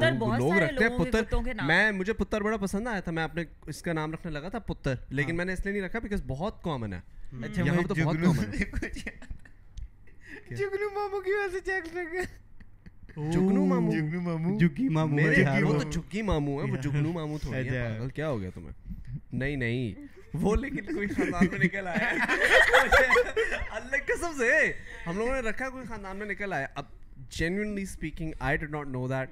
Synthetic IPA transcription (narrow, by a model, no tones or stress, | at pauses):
ɾbloːɡɾɐktloẽɦɛɡɛ̃pʊteːəɾt̪õkenmɛ̃ːmʊd͡ʒʱepʊt̪ːəɾbɐɽapɐsə̃nd̪aːjat̪ʰamɛ̃ɐpne | ɪskanaːmɾɐkʰnelɐɡat̪ʰapʊt̪ːəɾleːkɪnmɛ̃ːneɪslienɐɦĩɾɐkʰabɪkɔzbɔɦɔt̪̚kɔːmənɦɛ̰ːɐʃʰjɐɦãmet̪obɦːt̪ɔːnɛk | d͡ʒʊknumaːmũkiʋɛːset͡ʃɛːksɾɐɡa | d͡ʒʊɡnũmaːmuʊknumaːmud͡ʒʊɡimamumeot̪od͡ʒʱʊɡːimaːmũɦɛ̃ʋod͡ʒʊnũmaːmũt̪ʰoːiɦɛãɡəlkjaːɦoːɡɐja̰t̪ʊ̰mḛ̃nɐɦĩnɐɦĩ | ʋoːleːkɪnkoːixãːnd̪aːnmẽnɪkəlaːja | eɐlːɐɡkɐsəmseɦɐmloːɡõneɾɐkʰːakoːixaːnd̪aːnmẽnɪkəlaːjaʔɐb̚ | d͡ʒɛnjuənlispiːkɪ̃ŋɡaːɪɖɪɖnɔːʈnoːd̪æːʈ̚